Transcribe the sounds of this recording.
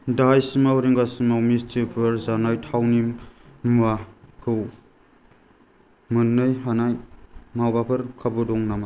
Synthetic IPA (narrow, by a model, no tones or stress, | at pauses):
dajsimawɾiŋɡasimawmistʰipʰɯɾzanajtʰawni | makʰɯw | mɯnːɯjɦanajmawbapʰɐɾkʰabudɔŋnama